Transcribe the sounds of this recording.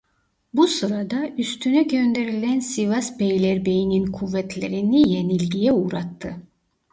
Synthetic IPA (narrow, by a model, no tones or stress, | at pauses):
busɯɾad̪ɑyst̪ʰynyɟø̞nd̪e̞ɾilʲænsivasbejlʲeɾbejininkʰuvːɛt̪ʰlʲe̞ɾinije̞nilʲɡijɛuːɾat̪ʰːɯ